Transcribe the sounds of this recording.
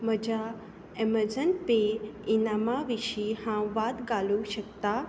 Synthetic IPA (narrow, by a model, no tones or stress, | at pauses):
məd͡ʑa | eməɾd͡zənpeinamaʋiʃihãʋat̪ɡaluʃəkt̪a